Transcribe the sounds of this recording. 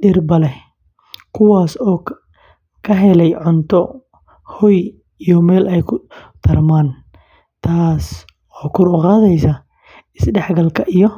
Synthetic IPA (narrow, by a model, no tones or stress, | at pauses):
ɖɪrbɐlɛ | kʰʊwaːsɔː | kʰɐɦɛlɛjʕʊnt̪ʰɔ | hɔj | ijɔmɛːlʔɛjkʰʊt̪ʰɐrmaːn | t̪ʰaːs | ɔːkʰʊɾʊqaːðɛjsɐ | ɪsɖɛħɡɐlkʰɐʔijɔ